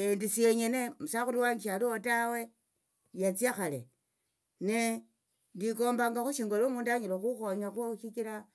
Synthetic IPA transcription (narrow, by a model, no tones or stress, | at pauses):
endiseɲenemusaxuɾiwaːɲɡiʃaliotawe̞ | jat͡sijaxalḛ | ne | ndiko̞ːmbaŋɡaxuʃiːŋɡolomuːndaɲilaxuxoɲaxuʃikila